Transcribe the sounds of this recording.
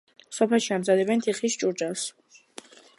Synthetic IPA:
sɔpʰɛlˠʃiamzad̪ɛbɛnt̪ʰiχist͡ʃʼuɾd͡ʒas

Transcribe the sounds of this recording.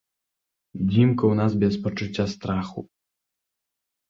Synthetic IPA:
d͡zʲimkɐwnazbʲɛspɐt͡ʂut͡sʲːast̪ɾaxu

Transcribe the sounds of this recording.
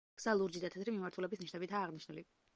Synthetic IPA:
ɡ̥z̥alˠuɾd͡ʒid̪at̪ʰɛt̪ʰɾimimaɾt̪ʰulɛbisniʃnɛbit̪ʰaːʁniʃnuli

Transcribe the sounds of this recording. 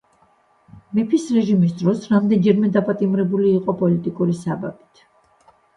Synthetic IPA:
mɛpʰisɾɛʒimis̬d̪ɾɔsɾamd̪ɛnd͡ʒɛɾmɛd̪apʼat̪ʼimɾɛbuliːqʼɔpʼɔlit̪ʼikʼuɾisababit̪ʰ

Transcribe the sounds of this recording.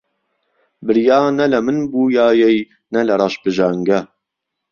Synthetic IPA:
bɨɾjɑːnɐlɐmɨnbuːjɑːjɛj | nɐlɐɾˤɑːʃbɨʒaːŋɡɐ

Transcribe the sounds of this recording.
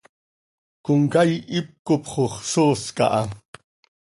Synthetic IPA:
kʊŋkajɪp̚kʊpχoχsoːska̰ʔa

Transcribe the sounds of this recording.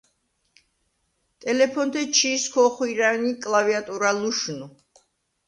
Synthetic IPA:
t̪ʼɛlɛpʰɔnd̪ɛt͡ʃʰiskʰɔχwiɾanikʼlaviat̪ʼuɾaluʃnu

